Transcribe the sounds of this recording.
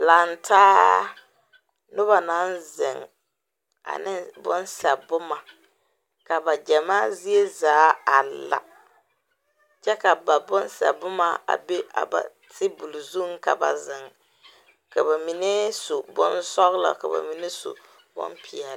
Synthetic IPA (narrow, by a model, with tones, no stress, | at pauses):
la˨n˨tʰaː˦ | nʊ˦ba˨na˦nzɪ̰˨ŋ | a̰˨nɪ˦bʊ̰˦nsɛ˨bʊ˦ma˨ | ka˨ba˨d͡ʒa˨maː˦zi˦e˦zaː˨˦a˨la̰˨ | t͡ʃɛ˦ka˨ba˨bʊ˦nsɛ̰˨bʊ˦ma˦˨a̰˨be˦ʔa̰˨ba̰˨ | tʰɪ˦bu˨lu˨zu˦ŋ˦ka̰˨ba̰˨zɪ˨ŋ | ka˨ba˨mi˨ne˦su˨bʊ̰˦nsɔ˦ɣla̰˨ka˨ba̰˨mi˨ne˦so̰˨ | bʊ̰˦npi˨ɛ˨l